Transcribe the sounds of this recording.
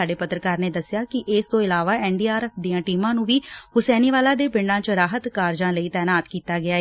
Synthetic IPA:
aːɖeːpət̪ɾəkaːɾneːd̪əsːɪjaːkɪʔɪst̪õːɪlaːʋaːɛːɳɖiːaːɾɛːfʰd̪iːãːʈiːmãːnũːʋiːhʊsɛːniːʋaːlaːd̪eːpɪɳɖãːt͡ʃɾaːɦət̪kaːɾd͡ʒãːləiːt̪ɛːnaːt̪kiːt̪aːɡɪaːe

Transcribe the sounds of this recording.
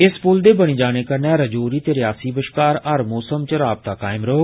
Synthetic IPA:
ɪspʊld̪eːbəɽ̃iːd͡ʒaːɽ̃eːkəɾnɛ̃ːɾəd͡ʒoːɾiːt̪eːɾɪjaːsiːbəʃkaːɾəɾmoːsəmt͡ʃəɾaːb̚t̪aːkaːɪmɾoɦoː

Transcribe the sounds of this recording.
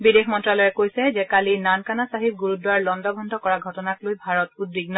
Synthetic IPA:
bidexmɔntɹalɔjɛkojsɛzɛkalinankanasaɦip̚ɡuɹudwaɹlɔndɔɡʱɔndʱɔkɔɹaɡʱɔtɔnaklojbʱaɹɔtud̚biɡnɔ

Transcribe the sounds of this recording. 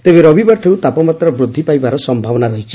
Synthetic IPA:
t̪ebeɾɔbʱibaʈʰeut̪apɔmat̪ɾɔbɾud̪ʱːipajbaɾɔsɔmbʱabɔnaɾɔɦit͡ʃʰi̥

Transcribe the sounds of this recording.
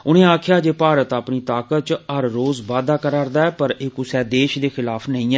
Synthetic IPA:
ʊnẽːaːkʰɪjaːd͡ʒeːpaːɾət̪əːpniːt̪aːkət̪̚t͡ʃəɾːoːzʋaːd̪aːkəɾaːɾd̪aːɛːpəɾɪːkʊsɛːd̪eːʃd̪eːxɪlaːpʰnəĩːɛː

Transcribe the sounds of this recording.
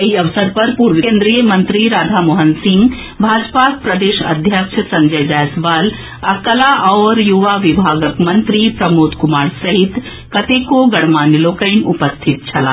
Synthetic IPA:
eiɐʋsəɾpɐɾpuːɾʋiẽːnd̪ɾijəmɐ̃nt̪ɾiɾaːd̪ʱaːmoːɦənsɪ̃ŋɡ | bʱaːd͡ʒpak̚pɾɐd̪eːʃɐ̰d̪ʱjəkʃʰsɐ̃ɲd͡ʒəjd͡ʒaːjsʋaːl | ɐkəlaʔɔːɾjuʋaʋɪbʱaːɡəkmɐ̃nt̪ɾipɾɐmoːt̪kʊmaːɾsɐɦɪt̪ | kɐt̪eːkoɡɐɽmaːnjəloːkəɪnʊpəst̪ʰɪt̪̚t͡ʃʰɐla̰ː

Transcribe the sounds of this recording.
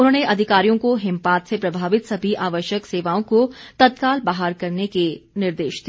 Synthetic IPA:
ʊnɦõneʔɐd̪ʱɪkaːɾijõkoɦɪmpaːt̪sepɾɐbʱaːʋɪt̪sɐbʱiʔaːʋəʃjəkseːʋaːõkot̪ɐt̪kaːlbaːɦaɾkɐɾnekenɪɾd̪eːʃd̪i

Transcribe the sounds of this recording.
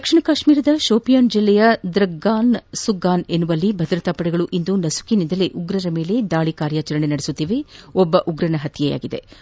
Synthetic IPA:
d̪ɐkʂiɳɐkaːʂmiːɾɐd̪ɐʃoːpijaːnd͡ʒilːɛjɐd̪ɾɐɡːaːnsuɡaːnenːuʋɐlːibʱɐd̪ɾɐt̪aːpɐɽɛɡɐɭuʔind̪unɐsu̥kinind̪ɐleʔuɡɾɐɾɐme̞ːle̞d̪aːɭikaːɾjaːt͡ʃɐɾɐɳe̞nɐɽesut̪ːiːʋe̞ɔbːɐʔuɡɾɐnɐɦɐt̪jɛja̰ːɡid̪e̞̰

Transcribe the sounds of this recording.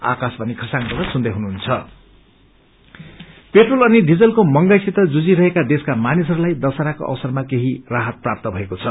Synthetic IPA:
a̰kasbʱʌnikʰʌsaŋpʌd̪asund̪ʌjɦunuɦunt͡sʰʌ | peʈrolʌniɖid͡zʌlkomʌŋɡajsit̪ʌd͡zud͡ziɾʌɦekad̪eskamanis̬ʌɾulajd̪ʌsaɾako̰ʔʌ̰wʌsʌrmakeɦiraɦʌt̪̚prap̚t̪ʌbʱʌekot͡sʰʌ

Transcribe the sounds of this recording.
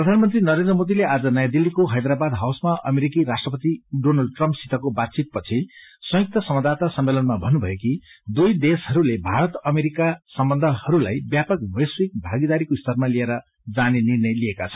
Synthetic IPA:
prʌd̪ʱanmʌnt̪rinʌɾend̪rʌmod̪ilead͡zʌnʌjad̪ilːikoɦʌjd̪ɾabad̪ɦawsmaʔʌ̰meɾikiɾasʈrʌpʌt̪iɖonalɖ̚ʈrʌmpsit̪ʌkobad̪̚t͡sit̪̚pʌt͡sʰisʌ̃jk̚t̪ʌsʌmʌd̪at̪asʌmːelʌnmabʱʌnubʱʌekid̪ujd̪esɦʌɾulebʱaɾʌt̪ʌmeɾikasʌmbʌnd̪ʱʌhʌɾulajbjapʌkbʌjswik̚bʱaɡid̪aɾikoist̪ʰʌrmalieɾʌ | d͡zanenirnʌjliekat͡sʰʌn

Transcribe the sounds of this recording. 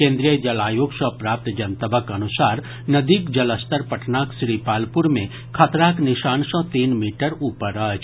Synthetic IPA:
kẽːnd̪ɾijəd͡ʒɐlaːjoːɡʃɔpɾaːp̚t̪d͡ʒɐnt̪əbəkɐnʊsaːɾ | nɐd̪ikd͡ʒɐləst̪əɾpɐʈʰnaːksɾiːpaːlpʊɾmẽ | kʰət̪ɾaːknɪʃaːnsɔ̃t̪iːnmiːʈəɾuːpəɾəːt͡ʃʰ

